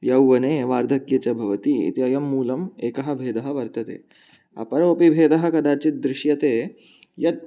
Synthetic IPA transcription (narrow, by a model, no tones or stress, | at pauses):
jɐwʋɐneːʋaːɾd̪ʱɐkjɐt͡ɕɐbʱɐʋɐt̪iḭt̪iɐjɐmːuːlɐmeːkɐɦɐbʱeːd̪ɐɦɐ̆ʋɐɾt̪ɐt̪ḛː | ɐ̰pɐɾʋɐpibʱeːd̪ɐɦɐ̆kɐd̪aːt͡ɕit̪̚d̪ɾɪʃjɐt̪eː | jɐt̪̚